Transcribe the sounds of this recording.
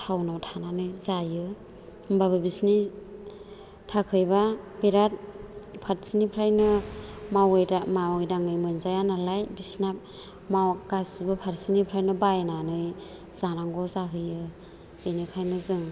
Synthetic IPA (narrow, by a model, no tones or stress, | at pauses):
tʰawnawtʰananɯjzajɯ | mbabɯbisni | tʰakʰɯjbabeɾat̚pʰaɾsinipʰɾajnɯmawjamawɯjdaŋɯjmɯnzajanalajbisna | maɡasibɯpʰaɾsinipʰɾajnɯbajnanɯjz̥anaŋɡɔzaɦɯjɯ | benɯkʰajnɯzɯŋ